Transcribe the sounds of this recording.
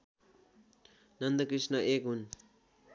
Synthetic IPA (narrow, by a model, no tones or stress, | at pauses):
nʌnd̪ʌkrisnʌʔekɦun